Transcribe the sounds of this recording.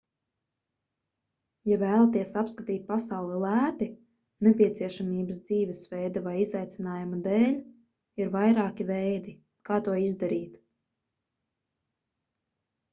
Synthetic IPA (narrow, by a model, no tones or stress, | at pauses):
javæːlˠat̪iɛsapskat̪iːt̪̚pasawlˠɛlˠæːt̪i | nɛpʲiɛt̪siɛʃamiːbəsd̪ziːvɛsvɛjd̪avajizajt̪sʲinaːjumad̪eːlʲ | iɾvajɾaːkʲivɛjd̪i | kaːt̪uɔizd̪aɾiːt̪